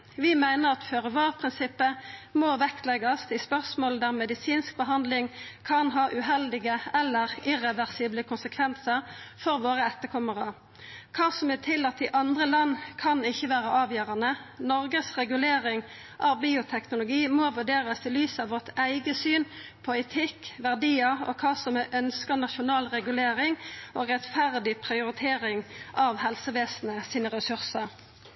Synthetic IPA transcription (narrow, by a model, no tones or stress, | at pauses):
ʋɪmæɪnəʁɑt̪føʁəʋɑːʁpʰʁɪnsɪpːəmoʋɛkt̪lɛɡɑst̪ɪspœʁsmoːld̪æːʁmɛd̪ɪsiːnsk̚bəɦɑnd̪lɪŋkʰɑnɦɑːʔʉɦɛld̪ɪɡəɛlːəʁɪʁɛʋæʁsiːbləkʰʊnsəkʰʋɛnsəʁfɔɾʋoːʁəɛt̪ːəkʰɔməʁɑ | kʰɑːsɔmɛt̪ʰɪlɑt̪̚ɪʔɑnd̪ʁəlɑnːkʰɑnɪçːəʋæːʁəʔɑːʋjøːʁɑnənɔʁɡəsʁɛɡʉleːʁɪŋ | ʔɑʋbiːʊt̪ʰɛknʊlʊɡiːmoːʋʉɖeːʁəst̪ɪlyːsɑʋɔʁt̪ʰæɪɡəsyːnpʰɔɛɪt̪ʰɪkʋæʁd̪iːəɔ̰kʰɑːsɔmɛʔœnskəʁnɑʃʊnɑːlʁɛɡʉleːɾɪŋoːʁɛt̪fæʁd̪ɪpʰʁɪʊɾɪt̪ʰeːʁɪŋʔɑʋhɛlsəʋeːsnəsiːnəʁɛsʉʁsəʁ